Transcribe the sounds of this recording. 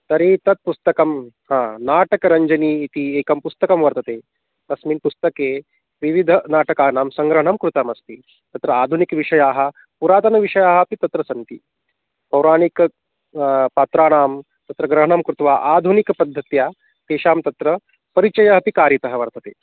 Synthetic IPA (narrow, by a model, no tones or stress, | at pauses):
t̪ɐɾeːt̪ɐt̪̚pust̪ɐkɐm | hãːnaːʈɐkɐɾɐɲd͡ʒɐniːt̪ieːkɐmpust̪ɐkɐmʋɐɾt̪ɐt̪eː | t̪ɐsmiːnpust̪ɐkeː | ʋiʋid̪ʱɐnaːʈɐkaːnaːmsɐŋɡɾɐɦɐɳɐmkɾut̪aːmɐst̪i | t̪ɐt̪ɾɐaːd̪ʱunikʋiʂɐjaːɦɐ̆ | puɾaːt̪ɐnɐʋiʂɐjaːɦɐpit̪ɐt̪ɾɐsɐnt̪i | pɐwɾaːnik | paːt̪ɾaːnaːm | t̪ɐt̪ɾɐɡɾɐɦɐɳɐmkɾut̪ʋaːʔaːd̪ʱunikpɐd̪ʱːɐt̪jaː | t̪eːʃaːmt̪ɐt̪ɾɐ | pɐɾit͡ʃɐjɐɦɐpikaːɾjɐt̪ɐɦɐʋɐɾt̪ɐt̪eː